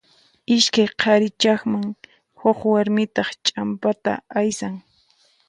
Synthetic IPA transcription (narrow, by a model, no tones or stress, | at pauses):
ɪʃkajqʰɑɾɪt͡ʃɑχmaŋ | hoχwaɾmɪt̪ɑχt͡ʃʼampat̪a̰ajsaŋ